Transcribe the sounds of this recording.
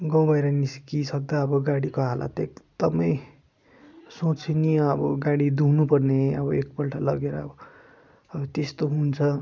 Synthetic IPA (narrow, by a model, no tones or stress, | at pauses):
ɡʌ̃w̃bʱʌjɾʌniskisʌkd̪ʌʌbʌɡaɽikoɦala̰t̪ekd̪̥ʌmʌj | sot͡sʰiniʌbʌɡaɽid̪unupʌrneʌ̰bʌek̚pʌlʈʰalʌɡeɾʌːbʌ | ʌbʌt̪est̪oɦunt͡sʰʌ